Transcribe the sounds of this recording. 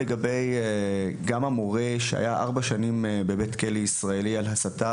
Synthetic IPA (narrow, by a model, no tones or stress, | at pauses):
eɡabe̞jeɡamamoʁe̞ʃea̰jaʔa̰ʁbaʃanimbebe̞tkeliisʁae̞lialɦasata